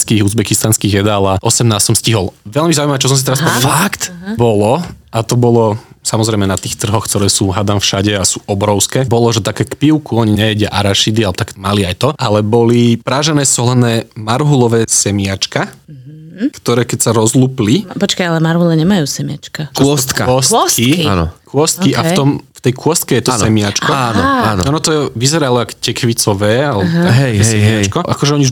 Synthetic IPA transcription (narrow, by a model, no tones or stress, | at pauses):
skiːɣuːzbɛkist̪anskiːɣjɛd̪aːlaʔɔsɛmnaːst̪sɔmsciɦɔlˠʋɛʎmizaujmaʋɛːt͡ʃɔs̬ɔmsit̪ɛɾaspɔakt̪bɔlɔʔat̪ɔbɔlɔsamɔzɾɛɪmɛnat̪iːxt̪r̩ɦɔxkt̪ɔɾɛːsuːɦad̪amfʃaɟɛasuːʔɔbɾɔʊskɛːbɔlɔʒɛt̪akɛːkpiʊkuɔɲiɲɛɛɟɪaʔaɾaʃid̪ialɛbt̪akmaliajt̪ɔʔalɛbɔlipɾaːʒɛnɛːsɔlɛnɛːmaɾɦulɔʋɛːsɛmɪat͡ʃka | kt̪ɔɾɛːkɛcsaɾɔzluːplipɔt͡ʃkajalɛmaɾɦulɛɲɛmajuːsɛmɪat͡ʃkat͡ʃɔɔst̪kaɔsskia̰nɔ̰kʊɔst̪kiʔaft̪ɔmft̪ɛjkʊɔst̪̚kɛjɛt̪ɔsnɛmɪat͡ʃkɔanɔa̰ːn̰ɔnɔt̪ɔɛʋizɛɾalˠɔakcɛkʋit͡sɔʋɛːalɛbɔt̪aɦɛajɛsɛɦmɪɛat͡ʃkɔʔakɔʒɛɔɲiʒ